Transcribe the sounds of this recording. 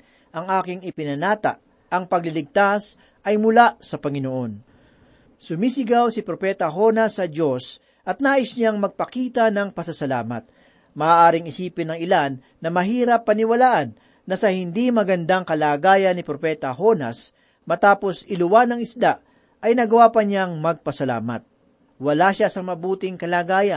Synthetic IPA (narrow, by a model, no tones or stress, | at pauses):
ʔɐŋʔaːkɪŋɪpɪnɐnaːt̪a̰ʔ | ʔɐŋpɐɡ̚lɪlɪɡ̚t̪as | ʔɐjmʊlasɐpɐŋɪnoʔo̞n | sʊmisɪɡawsɪpɾopɛt̪ɐɦo̞nɐsːɐd͡ʒo̞s | ʔɐt̪̚naːʔɪsɲaŋmɐɡ̚pɐkiːt̪ɐnɐŋpɐsɐsɐla̰ːmɐ̰t̪̚ | mɐʔaːʔaːɾɪŋɪsiːpɪnːɐŋɪlanːɐmɐɦiːɾɐpːɐnɪwɐlaːʔɐnː | ɐsɐhɪnd̪imɐɡɐnd̪aŋkɐlaːɡaːjɐnːɪpɾopɛːt̪ɐɦo̞nɐ̰s | mɐt̪aːpo̞sɪlʊwanɐŋɪsd̪aʔ | ʔɐjnɐɡɐwaːpɐɲaŋmɐɡ̚pɐsɐla̰ːmɐ̰t̪̚ | wɐlaʃasɐmɐbuːt̪ɪŋkɐlaːɡaːjɐn